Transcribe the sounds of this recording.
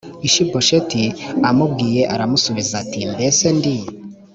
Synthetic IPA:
iʃiboʃetiamubɡiːje̞ʔaɾamusuβizatindese̞ndi

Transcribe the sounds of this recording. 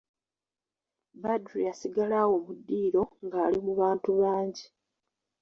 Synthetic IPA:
badɾiasiɡalaːwo̞mudːiːɾo̞ŋɡaːlimuβaːntuβaːɲɟi

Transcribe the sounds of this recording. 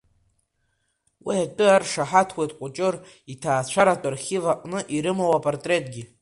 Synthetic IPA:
wiatʷʼʊarʂaħatʰwejtʰʼqʷʼʊt͡ʃʼɨr | itʰaːt͡ɕʷʰaɾatʼarχʲivaqʷʼnɨʔiɾɨmowapʼortʼre̞tʼɡʲi

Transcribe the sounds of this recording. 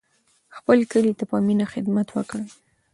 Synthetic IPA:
xpəlkəlit̪apəminaxɪd̪mat̪wəkəɽ

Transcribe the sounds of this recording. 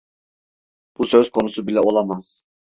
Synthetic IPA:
b̥usøz̥kʰo̞nusubilʲɛo̞lˠamaz̥

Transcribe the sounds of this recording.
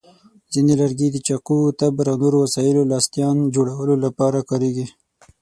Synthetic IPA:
zinelaɾɡed̪ət͡ʃaqut̪abɾawnoɾowasɑjɪlolɑst̪jɑnd͡ʒoɽawəlolapɑɾakɑɾeɡi

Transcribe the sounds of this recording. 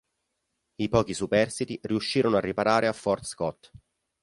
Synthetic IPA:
ipɔːk̟isupɛrsit̪iriuʃːiːɾonoarːipaɾaːɾeafːɔrt̪skɔt̪ː

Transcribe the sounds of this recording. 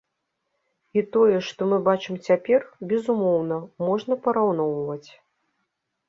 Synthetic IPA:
it̪ɔjɛʂt̪ɔmɨbat͡ʂɨmt͡sʲapʲɛrbʲɛzumɔwnɐmɔʐnɐpɐɾawn̪ɔwvɐt͡sʲ

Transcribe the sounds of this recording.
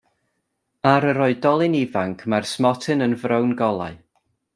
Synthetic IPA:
aɾəɾɔɨdɔlˠɨnivaŋkʰmarsmɔtʰɨnənvrəwnɡɔlˠa̰ɨ

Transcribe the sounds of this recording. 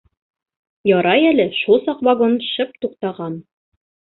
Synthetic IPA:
jɒɾɑjælɘʃulˠsɑqvaɡonʃɤp̚t̪uqt̪ɑʁɑn

